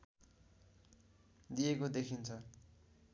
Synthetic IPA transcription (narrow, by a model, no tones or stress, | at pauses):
d̪ijekod̪ekʰint͡sʰʌ